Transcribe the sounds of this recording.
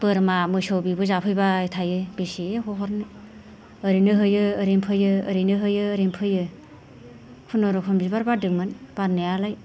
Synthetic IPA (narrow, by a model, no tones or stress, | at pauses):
b̥ɯɾmamɯsɔwbibɯzapʰɯjbaitʰajɯbisiehɔɦɔɾnɯ | əɾinɯɦɯjɯːɾimpʰɯjɯːɾinɯɦɯjɯːɾimpʰɯjɯ | kʰunɔɾɔkʰɔmbizbaɾbadɯkmɯnb̥aɾnejalaj